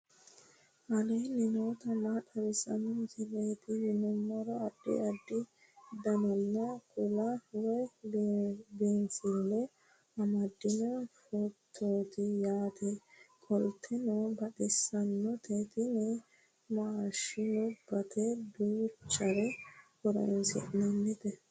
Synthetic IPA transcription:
ʔɐlɛjnɪnoːt̪ɐmaᶑɐβɪsɐnɔt̪ɪleːt̪ɪɪnʊmːɐɾɔɐdːɛ̰ɐd̪ːɪ | d̪ɐnɐnːɐkʊlɐwɔj | beːnsɪlːɛ | ɐmɐd̪ːɪnɔfɔt̪ʰːoːt̪ɪjaːt̪ʰɛkʼɔlt̪ʰːɛnɔbɐtɪsɐnːɔt̪et̪ɪnɛ | maːʃɪnʊbɐt̪ʰɛbuːt͡ʃːɐɾɛkɔɾɔ̰nsɪ̰ʔnɐnːɪt̪ɛ

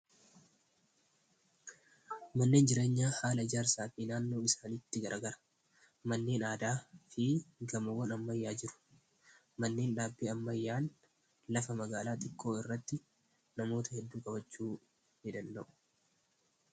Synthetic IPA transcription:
mɐnːeːnd͡ʒɪɾe̞ːɲːaːhaːlɐɪd͡ʒaːɾsaːfiːnaːnːo̞ːɪsaːnɪt̪ːɪɡɐɾɐɡɐɾɐ̥ | mɐnːeːnaːd̪aːfɪɡɐmɐwːɐnɐmːɐjːaːd͡ʒɪɾʊ̥ | mɐnːe̞ːnᶑaːbːiːɐmːɐjːaːn | lɐfɐmɐɡaːlaːt̪ɪkʰːo̞ːɪrːɐt̪ːɪ | nɐmo̞ːt̪ɐhɛd̪ːuːkʼɐbɐt͡ʃːuː | nɪd̪ɐnd̪ɐʔʊ̥

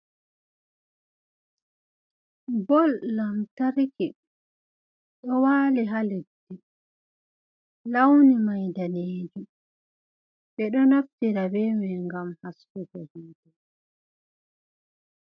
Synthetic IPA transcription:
bɔlːamtaɾki | ɗɔwaːliɦalidːi | lawnimajdaneːd͡ʒum | ɓɛɗɔnoftiɾabɛmɛŋɡamhasːuhɔhiːdɛ

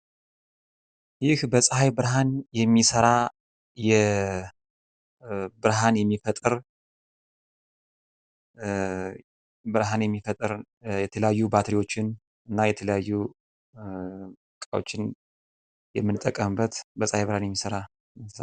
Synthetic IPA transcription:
jɪhbəsʼhajbɨɾɦanjɛmːisəɾa | jɛ | bɨɾɦanjɛmːifət̪ʼɨɾ | bɨɾɦanjɛmːifət̪ʼɨɾ | jɛt̪ʰələjajːubat̪ʰɾiwo̞t͡ʃːɪn | ɨnːajɛt̪ʰələjajːu | kʼawo̰t͡ʃːɪn | jɛmːɨnt̪ʼːəkʼːəmɨbət̪bəsʼhajbɨɾhanjɛmːisəɾa

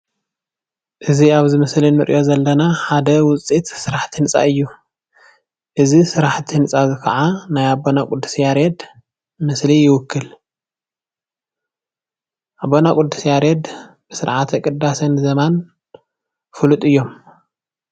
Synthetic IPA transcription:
ʔɨziaβzɨmɨslinɨɾʔʔo̞zɐlːɐnaħad̪ɐwʊt͡sʼit̪sɨɾaħt̪ʰinɨt͡sʼa̰ɨjːu | ʔɨzisɨɾaħt̪ʰinɨt͡sʼazɨkʰɐ̰ʕanajabonakʼʊd̪ːu̥sjaɾed̪ | mɨslijɪwʊkːɨl | ʔabːonakʼʊd̪ːusjaɾed̪ | b̥ɨsɨɾʕat̪ʰɐkʼɨd̪asɐnzɐman | fɨlut̪ʼɨjːo̞m

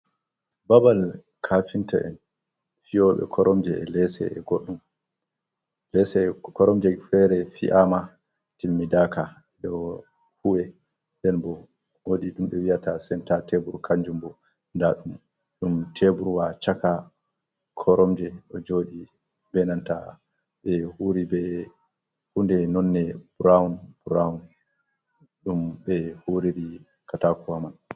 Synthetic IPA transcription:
babal | kʰafinta̰ʔɛ̰n | fiɔɓɛ̰kʰɔɾʔɔmd͡ʒɛɛ̰lɛsɛ̰ɛ̰ɡoɗːum | lɛsɛkɔɾɔmd͡ʒɛfɛɾɛfḭʔama | tilmidaka | ɛɗɔ | huwɛ | dɛnbɔ | woɗiɗumɓɛwiatasɛntatebuɾkʰaɲd͡ʒumbɔ | ndaɗum | ɗumtʰebuɾwat͡ʃaka | kʰɔɾɔmd͡ʒɛɗɔd͡ʒoɗi | bɛnanta̰ | ɓɛhuɾibɛ | hundɛnɔnːɛbɾaunbuɾawun | ɗumɓɛhuɾiɾi | katakuhaman

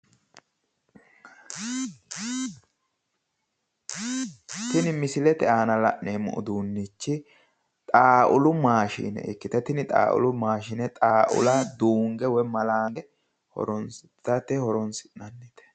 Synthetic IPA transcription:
t̪ɪnɪmɪsɪlɛt̪ɛʔaːnɐlɐʔneːmʊ̰ʔʊ̰d̪uːnːit͡ʃːɪ | t̪ʼaːʔʊlʊmaːʃḭːnɛ̰ʔɪ̰kːɪt̪ɛt̪ɪnɪt̪ʼa̰ːʔʊ̰lʊmaːʃɪnɛt̪ʼaːʔʊ̰lad̪uːŋɡɛwɔjmɐlaːŋɡɛ | hɔ̰ɾɔn | t̪ɐt̪ɛhɔɾɔnsɪ̥ʔnɐnːit̪ɛ̥

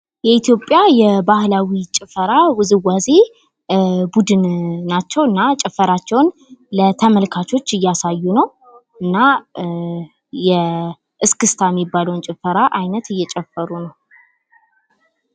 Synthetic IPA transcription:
jɛit̪ʰjo̞pʼːjajɛbahlawit͡ʃʼɪfəɾawɨzɨwaze̞ | bud̪ɨnːat͡ʃːɛwɨnːat͡ʃʼɪfːəɾat͡ʃːɛwnlət̪ʰəməlkʰat͡ʃʰo̞t͡ʃːɨjːasajːunəw | ʔɨnːa | jɛ | ʔɨskɨst̪ʰajɛmːibːaləwnt͡ʃʼɪfəɾaʔajnət̪ɨjːɛt͡ʃʼɛfːəɾunəw

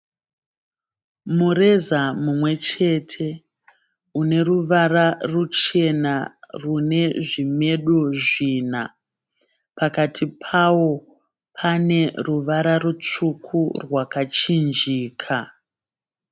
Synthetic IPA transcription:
muɾe̞zamumwe̞t͡ʃe̞tʰe̞ | une̞ruʋararut͡ʃe̞narune̞ʐime̞ɗoʐina̰ | pakatʰipʰawo̞ | pʰane̞ruʋaɾarut͡ʂukʰurwakat͡ʃind͡ʒiːkʰa

